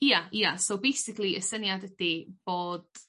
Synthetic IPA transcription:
jaiasowbejsɪklˠiʔəsənjadɛd̥ib̥oːd̥

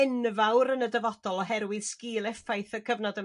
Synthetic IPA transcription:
ɛnvawɾənədəvɔd̥ɔlˠɔɦɛɾwɨðskiːlˠɛfajθəkʰəvnɔdə

